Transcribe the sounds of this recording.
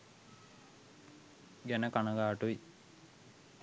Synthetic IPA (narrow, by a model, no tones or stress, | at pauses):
ɡænəkanəɡaːʈui